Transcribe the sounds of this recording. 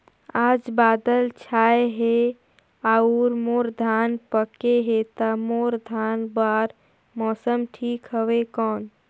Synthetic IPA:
aːd͡ʒbaːd̪əlt͡ʃʰaːeɦe | auɾmoːɾd̪ʱaːnpəkeɦet̪amoːɾd̪ʱaːnbaːɾ | mɔːsəmʈʰiːkɦəwekɔːn

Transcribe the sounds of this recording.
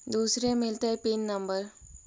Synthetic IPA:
d̪uːsɾemɪlt̪eɦɛpinːə̃mbəɾ

